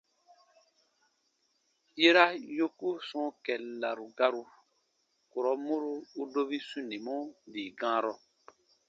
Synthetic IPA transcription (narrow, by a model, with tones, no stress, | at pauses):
je˦ɾa˦jo˦ku˦sɔ̃˦kɛ˨la˨ɾu˨ɡa˧ɾu˧ | ko˨ɾɔ˨˦mo˦ɾo˦u˦do˦βi˦sũ˦nĩ˨mɔ̃˦diː˨ɡãː˦ɾɔ˨